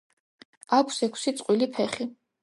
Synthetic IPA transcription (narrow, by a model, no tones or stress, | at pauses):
akʷʰsɛkʷʰsit̪sʼqʼwilipʰɛχi